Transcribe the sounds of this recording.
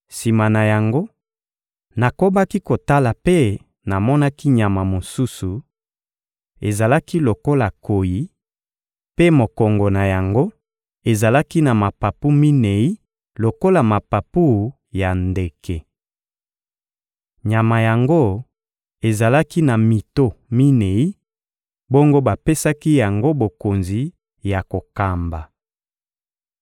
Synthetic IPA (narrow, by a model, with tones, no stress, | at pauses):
si˨ma˨na˨ja˨ŋɡo˦ | na˨ko˦ba˦ki˦ko˨ta˦la˨pe˦ | na˨mɔ˦na˦ki˦ɲa˨ma˨mo˨su˦su˨ | e˨za˨la˦ki˦lo˨ko˦la˨ko˨ji˨˦ | pe˦mo˨kɔ˨ŋɡo˨na˨ja˨ŋɡo˦ | e˨za˨la˦ki˦na˨ma˨pa˨pu˦mi˦ne˨i˦ | lo˨ko˦la˨ma˨pa˨pu˦˨ | ja˨nde˨ke˨ | ɲa˨ma˨ja˨ŋɡo˦ | e˨za˨la˦ki˦na˨mi˨to˦mi˦ne˨i˦ | bo˦ŋɡo˦ba˨pe˦sa˦ki˦ja˨ŋɡo˦bo˨ko˨nzi˨ | ja˨ko˨ka˨mba˨